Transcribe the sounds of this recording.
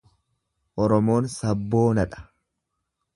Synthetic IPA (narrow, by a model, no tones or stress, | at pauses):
ʔɔɾɔmo̞ːnsɐbːo̞ːnɐᶑɐ̥